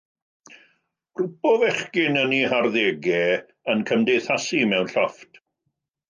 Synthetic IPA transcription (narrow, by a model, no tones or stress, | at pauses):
rʊpɔvɛχkɪnəniharðeːɡɛ | ənkʰəmdejθasimɛwnɬɔft